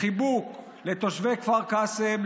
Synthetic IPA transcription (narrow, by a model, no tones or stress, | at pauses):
ibuk | let̪oʃvekvaʁkasem